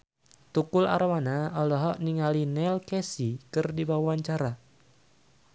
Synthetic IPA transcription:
t̪ukʊla̰ɾmanaɔlɔɦɔʔniŋalinɛlkesikɨrdibawaaɲt͡ʃaɾa

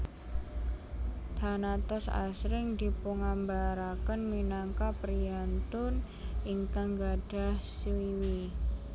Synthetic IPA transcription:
t̪anat̪ɔsa̰sɾɪŋd̪i̤puŋambaɾakənminaŋkapɾiant̪ʊn | ɪŋt̪aŋɡaɖ̥a̤hswiwi

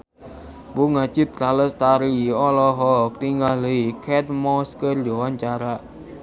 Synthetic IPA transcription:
buŋat͡ʃɪt̪̚ɾaləst̪aɾiɔlɔɦɔk̚t̪iŋɡahleikʰɛt̪̚mɔskərdɔwaɲt͡ʃaɾaʔ

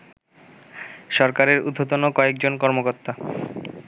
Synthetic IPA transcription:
ʃɔɾkaɾeɾud̪ʱːot̪onokɔek̚d͡ʑonkɔɾmokoɾt̪ːa

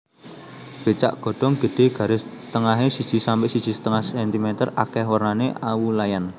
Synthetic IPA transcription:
b̥e̤t͡ʃa̰ʔɡ̥ɔ̤ɖ̥ɔ̤ŋɡ̥ə̤d̪̥e̤ɡ̥a̤ɾɪs | t̪əŋaɦesid̥ʒ̥i̤sampɪʔsid̥ʒ̥i̤sə̥t̪əŋahsɛnt̪imɛnt̪ərakɛhwərnaneʔawulajan

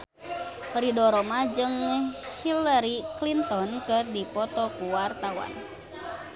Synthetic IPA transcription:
ɾidɔɾɔmad͡ʒɨŋhilaɾiklint̪ɔnkɨrdipɔt̪ɔkuwart̪awa̰n

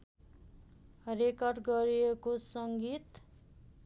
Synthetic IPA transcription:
rekʌrɖɡʌɾijekosʌŋɡit̪

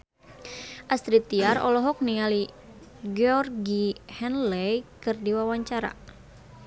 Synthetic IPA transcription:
ʔast̪ɾit̪iaɾɔ̰lɔɦɔk̚niali | ɡɔrɡihɛnlɛjkɨrdiwawaɲt͡ʃaɾa̰

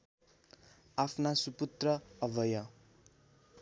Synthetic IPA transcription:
apʰnasuput̪rʌʌbʱʌjʌ

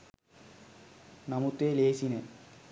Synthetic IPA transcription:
namut̪eːleːsine

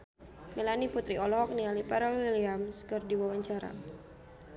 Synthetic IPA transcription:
mɛlaniput̪ɾiɔlɔɦɔk̚nialipaɾawiliamskərdiwawaɲt͡ʃaɾa̰

